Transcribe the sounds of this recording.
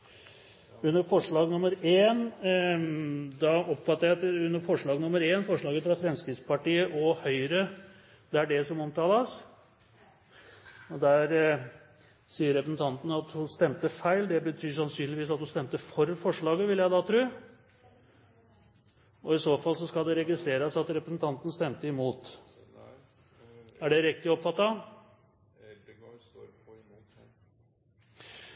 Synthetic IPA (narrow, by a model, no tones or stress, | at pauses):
ʉnːəɾfɔʂɭɑːɡnʊməɾeːn | d̪ɑɔpfɑt̪ːəɾjæɪɑt̪ʉnːəɾfɔʂɭɑːɡnʊmːəɾeːnfɔʂɭɑːɡəfɾɑfɾɛmskɾɪt̪spɑʈiːəʔɔhœʏɾə | d̪̥ɛæɖɛsɔmɔmt̪ʰɑːləs | ɔd̪æɾ | siːəɾɛpɾəsn̩t̪ʰɑnt̪ənəɑt̪hʊst̪ɛmt̪əfæɪld̪ɛbət̪ʰyːɾʂɑnsyːnlɪʋiːsɑt̪hʊnst̪ɛmt̪əfɔɾfɔʂɭɑːɡəʋɪljæɪd̪ɑːt̪ʰɾʉː | ɔɪsoːfɑlːsɔskɑld̪ɛɾɛɡɪst̪ɾeːɾəsɑt̪ɾɛpɾəsn̩t̪ʰɑnt̪ənəst̪ɛmt̪əɪmuːt̪ | æɖɛɾɪk̚t̪ɪɔpfɑt̪ːɑ